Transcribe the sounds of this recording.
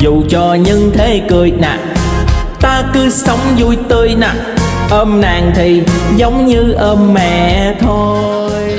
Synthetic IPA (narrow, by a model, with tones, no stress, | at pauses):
zu˨˩t͡ɕɔ˧ɲɨ˧ŋt̪ʰe˨˦kɨ˨˩əjna̰ː˨˩ʔ̚ | t̪aː˧kɨ˨˦sə˨˦wŋ͡mzu˧jt̪ɨ˧əjnaː˨˩ʔ̚ʔəː˧mnaː˨˩ŋt̪ʰi˨˩zə˨˦wŋ͡mɲɨ˧ʔəː˧mːɛ̰˧˩˨t̪ʰo˧